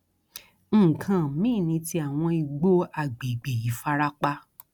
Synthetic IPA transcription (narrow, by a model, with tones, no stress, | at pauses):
n̩˨kʰã˨mĩ˦˨nĩ˧ti˧˦a˨w̃ɔ̃˧i˧ɡ͡bo˦a˨ɡ͡bi˨ɡ͡bi˨ji˨˦fa˧ɾa˦k͡pa˦